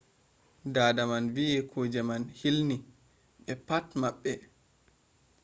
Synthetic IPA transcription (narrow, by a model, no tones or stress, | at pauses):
daːdamanvijɛkʰod͡ʒɛmanhilni | ɓɛpatmaɓːɛ